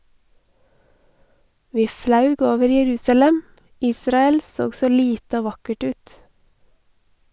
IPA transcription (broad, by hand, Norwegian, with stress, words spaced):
ˈʋiː ˈflɑʉɡ ˈoːʋəɾ jɛˈɾʉːsɑlɛm ˈiːsɾɑɛl ˈsoːɡ ˈsoː ˈliːtə ˈoː ˈʋɑkəʈ ˈʉːt